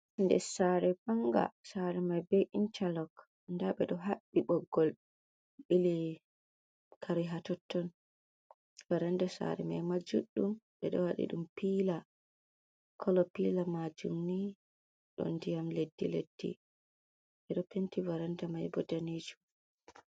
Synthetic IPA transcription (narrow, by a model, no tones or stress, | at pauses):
ndɛ̰saɾɛpaŋɡa̰saɾɛmajbɛʔint͡ʃalɔk | ndaɓɛɗɔɦaɓːiɓɔɡːɔl | ɓili | kʰaɾiɦatɔtːɔn | vaɾandasa̰ɾɛ̰majmad͡ʒuɗːumɓɛɗɔwaɗḭɗumpiːla | kʰɔlɔpilamad͡ʒumni | ɗɔ̰ndijamledːilḛd̥ːḭ | ɓɛɗɔpentivaɾandamajbɔdaned͡ʒum